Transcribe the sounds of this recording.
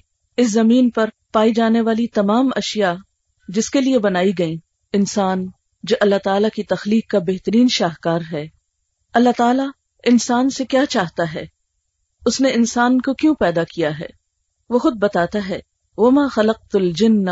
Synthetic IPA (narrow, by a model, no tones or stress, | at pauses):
ɪs̬zɐmiːnpɐɾ | paːid͡ʒaːneʋaːlit̪ɐmaːmɐʃja | d͡ʒɪskeliebɐnaːiɡɐĩ | ɪnsaːn | d͡ʒoːʔɐlːat̪aːlakit̪ɐxliːqːabeɦt̪əɾiːnʃaːɦkaːɾɦɛː | ɐlːat̪aːla | ɪnsaːnsekjaːt͡ʃaːɦt̪aɦɛː | ʊsneɪnsaːnkokjõpɛːd̪akijaɦɛ̰ː | ʋoxʊd̪̚bɐt̪aːt̪aɦɛː | ʋɐmaːxɐlɐq̚t̪ɐld͡ʒɪnː